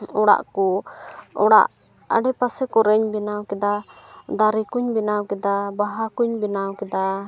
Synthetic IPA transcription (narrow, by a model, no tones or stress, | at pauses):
ɔɽa̰ʔkɔ | ɔɽa̰ʔ | a̰ɖɛpasɛkɔɾɛɲbɛnawkɛd̪ad̪aɾikuɲbinawkɛd̪abaɦakuɲbinawkɛd̪a